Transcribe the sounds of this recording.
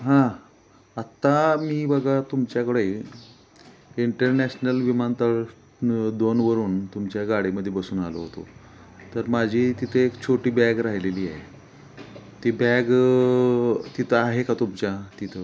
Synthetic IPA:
ɦã | at̪ːamiːbəɡat̪umt͡ɕjakəɽe | iɳʈəɾnæɕnəlʋimant̪əɭ | d̪onʋəɾuːnt̪umt͡ɕjaɡaɽiməd̪ʱːjebəsuːnalə̰ɦot̪o̰ | t̪əɾmad͡ʑʱiːt̪it̪ʰəekt͡ɕʰoʈiːbɛɡɾaɦileliːaɦe | t̪ibæɡ | t̪it̪ʰəaɦekat̪umt͡ɕjat̪it̪ʰə

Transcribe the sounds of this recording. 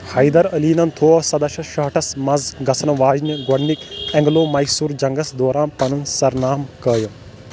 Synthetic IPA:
hɐjd̪ɐɾɐliːnɐnt̪ʰoːɐsɐd̪ɐʃɐʃɐɦʈʰɐsmɐzɡɐsʰɐnɐʋaːd͡ʒnjɐɡɐɽnikɛ̃ŋɡloːmɐjsuːɾd͡ʒɐŋɡɐsd̪oːɾaːnpɐnunsɐɾnaːmkəːjɐ

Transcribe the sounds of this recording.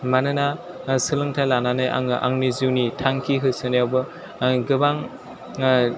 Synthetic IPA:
manɯna | sɯlɯŋtʰajlananɯjʔa̰ŋʔa̰ŋniziwnitʰaŋkʰiɦɯjsɯnjawbɯ | ɡɯbaŋ

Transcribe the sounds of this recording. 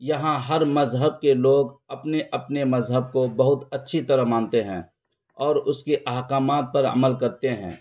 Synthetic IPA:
jɐɦãɦɐɾmɐzɦəb̚keloːɡɐpneʔɐpnemɐzɦəb̚kobɐɦʊt̪ɐtːʃʰit̪ɐɾəɦmãːnt̪eɦɛ̃ː | ɔːɾʊskeʔɐɦkaːmaːt̪̚pɐɾə̰məlkɐɾt̪eɦɛ̰̃ː

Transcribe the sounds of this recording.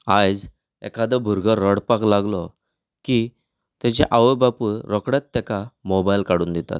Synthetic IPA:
ad͡z | ɛ̰kad̪əbʱuɾɡʱəɾːəɽpaklaɡlɔ | ki | t̪at͡ɕḛʔaʋəbapuɾɔkɽjat̪ːɛkamɔbajlkaɽuːnd̪it̪a̰t̪

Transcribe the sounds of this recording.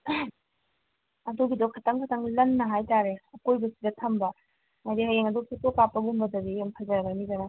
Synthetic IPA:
ɐdoɡidokʰɐtʰɐŋkʰɐtʰɐŋlɐnːɐɦajtaɾeɐkojbɐsidɐtʰɐmbɐ | mɐdihɐjeŋɐdoksʰitokapːɐɡumbɐdɐbijɐmkʰɐzɐɾɐbɐnizɐnɐ

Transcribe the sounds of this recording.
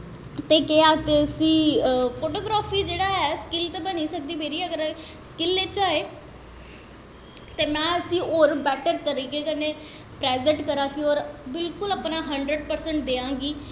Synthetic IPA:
t̪eːkeaːk̪eəsĩːpʰoːʈoːɡɾaːfʰiːd͡ʒeːɽaːɦɛskɪlt̪eːbəniːsək̚d̪iːmeːɾiːəɡəɾskɪlːet͡ʃaːeː | t̪eːmɛ̃ːəsĩːoːɾbɛːʈəɾt̪əɾiːkeːkəneː | pɾeːzə̃ɳʈkəɾãːkɪoːɾbɪlkʊləpnaːɦəɳɖɾəɖpəɾsəɳʈ̚d̪eːãːŋɡiː

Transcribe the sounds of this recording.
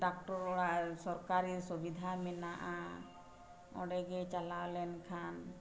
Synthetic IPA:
ɖak̚ʈɔɾɔɽasɔɾkaɾiɾsobid̪ʱamɛnaʔa | ɔ̰ɽɛɡɛt͡ʃalawlɛnkʰan

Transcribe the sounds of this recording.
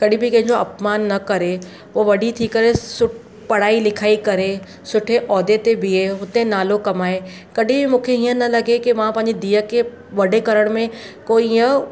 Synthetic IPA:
kɐɗĩbɪkɐ̃ɦɪ̃ɲd͡ʑoɐpmaːnːɐkɐɾe | ʋoʋɐɖit̪ʰikɐɾesʊ | pɐɽ̤aːilɪkʰaːikɐɾe | sʊʈʰeʔɔːd̪et̪ebieɦʊt̪ẽnaːlokɐmaːe | kɐɗʱĩbɪmũːkʰeiːə̃nɐlɐɡekimãpɐ̃ɦɪ̃ɲd͡ʑid̪iːəkʰe | ʋɐɖʱekɐɾəɽ̃mẽkoːiə

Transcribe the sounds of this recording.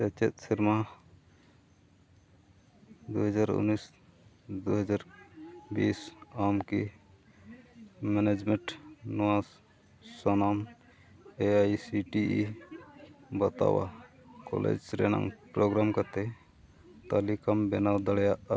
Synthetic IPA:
sɛt͡ʃet̪̚sʰiɾma | d̪uɦəd͡ʒaɾṵnːis | d̪uɦɔd͡ʒaɾbisamki | mɛned͡ʒmɛɳʈnuaz | sɔnam | eajsiʈii | bɔt̪a̰wa̰ | kɔ̰lḛd͡ʒɾɛna̰ŋpɾoɡɾamkat̪e | t̪alikambɛnawd̪aɽɛjaʔ

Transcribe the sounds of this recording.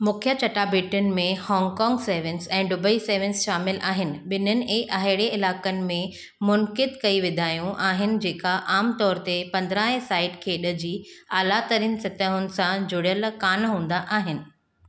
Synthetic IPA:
mʊkʰjət͡ɕɐʈabiːʈʊnɪ̆mẽhɔːŋɡkɔːŋɡseːʋɪ̃nsɛ̃ːɖʊbəiseːʋɪ̃nsʃaːmɪlʔaːɦɪnɪ̆ɓɪnənɪ̆ʔeʔaɦɪɽeɪlaːkənɪ̆mẽ | mʊnkɪd̪kɐiʋɪd̪ʱaːjũʔaːɦɪnɪ̆d͡ʑeːkaʔaːmt̪ɔːɾt̪epɐ̃nd̪ɾaːɦẽsaːɪʈkʰeːɗəd͡ʑiːaːlat̪ɐɾiːnɪ̆sɪt̪əɦʊnɪ̆sãd͡ʑʊɽijəlkaːnɦũːn̆d̪aʔaːɦɪnɪ̆

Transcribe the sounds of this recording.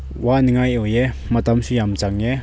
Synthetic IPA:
waniŋajɔjɛ | mat̪amsujamt͡saŋjɛ

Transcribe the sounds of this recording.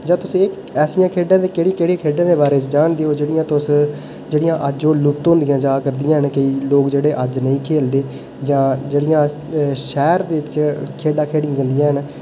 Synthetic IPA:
d͡ʒãːt̪ʊsĩːɪk | ɛːsɪjãːkʰeːɖãːd̪ekeːɽikeːɽikʰeːɖãːd̪eːbaːɾeːt͡ʃd͡ʒaːɳd̪eːoːd͡ʒeːɽɪjãːt̪ʊs | d͡ʒeːɽɪjãːʔəd͡ʒoːlʊp̚t̪õːnd̪ɪjãːd͡ʒaːkəɾd̪ɪjãːɦənkəiːloːkd͡ʒeːɽeːʔəd͡ʒnə̃ĩːkʰeːld̪eː | d͡ʒãːd͡ʒeːɽɪjãː | ʃɛːɾd̪eːɪt͡ʃkʰeːɖaːkʰeːɽɪãːd͡ʒə̃nd̪ɪjãːɦən

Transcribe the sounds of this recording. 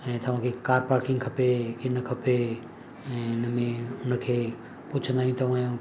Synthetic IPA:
ɛ̃ːt̪ɐʋ̤ãːkʰekaːɾpaːɾkɪ̃ŋɡkʰɐpekʰɪnɐkʰɐpe | ɛ̃ːʊnmẽʊnkʰeː | pʊt͡ʃʰə̃nd̪aɦĩt̪ʰɐʋãjõ

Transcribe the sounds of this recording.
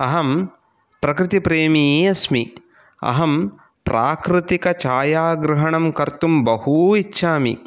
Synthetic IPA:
ɐɦɐm | pɾɐkɾɪt̪ipɾeːmiɐsmi | ɐ̰ɦɐm | pɾʔaːkɾɪt̪ikɐt͡ʃaːjaːɡɾɐɦɐɳɐmkɐɾt̪umbɐhuitːʃʰaːmḭ

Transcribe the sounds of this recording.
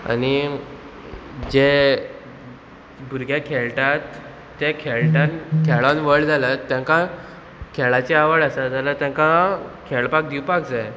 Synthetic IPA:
a̰ni | d͡ʑe | bʱuɾɡʱjakʰeɭʈat̪ː | ɛ̃kʰeɭʈankʰeɭanʋəɭd͡zʱalat̪ːjãŋkã | kʰeɭat͡ɕeaʋəɭasad͡zalat̪jãŋkãkʰeɭpak̚d̪iwpak̚d͡zae

